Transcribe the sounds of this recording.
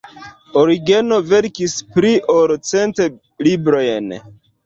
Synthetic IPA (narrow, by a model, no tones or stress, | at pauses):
oɾiɡe̞no̞ve̞ɾkispɾiʔoɾt͡se̞nte | libɾo̞jn